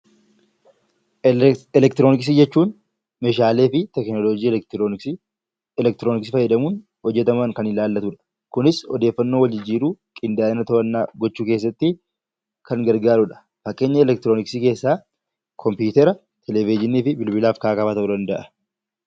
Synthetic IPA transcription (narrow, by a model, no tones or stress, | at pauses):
ɛlɛk̚t̪ɪɾonɪks̬ɪd͡ʒɛt͡ʃːuːn | meʃaːle̞ːfɪt̪ɛknɔlod͡ʒiː | ɛlɛk̚t̪ɪɾoːnɪks̬ɪfɐjːɛd̪ɐmuːn | hɔd͡ʒːɛt̪ɐmɐŋkɐnɪlaːlːɐt̪uᶑɐ̥ | kʊnɪshɔd̪e̞ːfːɐnːo̞ːwɐld͡ʒɪd͡ʒiːɾuːkʼɪnd̪aːɐnɐt̪ɐɐnːaːɡɔt͡ʃːuːkeːs̬ːɐt̪ːɪ | kɐŋɡɐɾɡaːɾʊᶑɐ̥ | fɐkʼːe̞ːɲːɐɛlɛk̚t̪ɪɾo̞ːnɪksiːke̞ːsːaː | kʰɔmpjuːt̪ɛɾɐ | t̪ʰɛlɛvɪd͡ʒɪniːfɪbɪlbɪlaːfkaːkɐfaːt̪ɐʔud̪ɐnd̪ɐʔɐ